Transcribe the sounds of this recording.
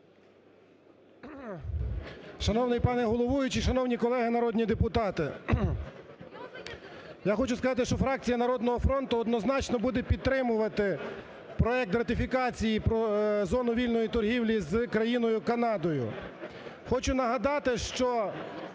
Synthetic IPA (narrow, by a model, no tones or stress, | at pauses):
ʃɐnɔwnɪjpɑnɛɦɔlˠɔʋujʊt͡ʃiʃɐnɔwnʲikɔlˠɛɦɪnɐɾɔd̪ʲnʲid̪epʊt̪ɑt̪ɪ | jaxɔt͡ʃʊskɐzɑt̪ɪʃt͡ʃɔfɾɑk̚t͡sʲijɐnɐɾɔd̪nɔɦɔfɾɔnt̪ʊɔd̪nɔznɑt͡ʃnɔbud̪ɛpʲid̪̚t̪ːɾɪmʊʋɐt̪ɪ | pɾɔɛk̚t̪rɐt̪ɪfʲikɑt͡sʲijipɾɔzɔnʊʋʲilʲnɔjit̪ɔrɦʲiwlʲizkɾɐjinɔjʊkɐnɑd̪ɔjʊ̰ | xɔt͡ʃʊnɐɦɐd̪ɑt̪ɪʃt͡ʃɔ